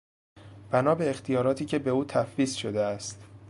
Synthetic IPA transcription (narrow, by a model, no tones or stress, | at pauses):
b̥ænɒːbe̞ːxt̪ʰijɒːɾɒːt̪ʰiːcʰe̞be̞uːt̪ʰæfviːsʃod̪eæst̪